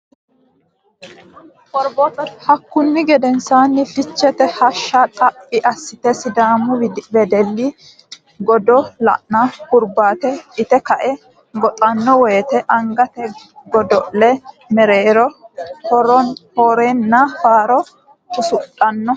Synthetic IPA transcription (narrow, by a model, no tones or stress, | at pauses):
kɔɾbɔt̪ɔhɐkːʊnːɪɡɛd̪ɛnsaːnːɪfɪt͡ʃːɛt̪ɛhɐʃːat̪ʼɐpʼːɪʔɐsːɪt̪ɛsɪd̪aːmʊbɛd̪ɛlːɪ | ɡɔd̪ɔlɐ̰ʔnakʊɾbaːt̪ɛɪt̪ɛkɐʔɛ | ɡɔt̪ʼɐnːɔweːt̪ɛʔɐŋɡɐt̪ɛ | ɡɔd̪ɔʔlɛ | mɛɾeːɾɔ | ɾhɔɾeːnːɐfaːɾɔ | kʊsʊtʼːɐnːɔ